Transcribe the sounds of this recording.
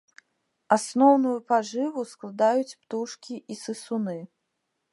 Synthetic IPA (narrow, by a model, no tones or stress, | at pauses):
asnɔwnujupaʐɨvusklˠad̪ajut͡sʲpt̪uʂkʲiʔisɨsunɨ